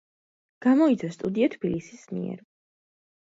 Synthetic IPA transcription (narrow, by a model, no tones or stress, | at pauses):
ɡ̥amɔit̪sʰast̪ʼud̪iat̪ʰbilisismḭɛ̰ɾ